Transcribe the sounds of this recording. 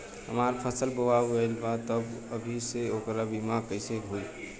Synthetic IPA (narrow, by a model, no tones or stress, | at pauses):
ɦə̰maɾpʰəsəlbəwabəɪlbat̪əbəbʱiseokɾabimakəɪseɦoi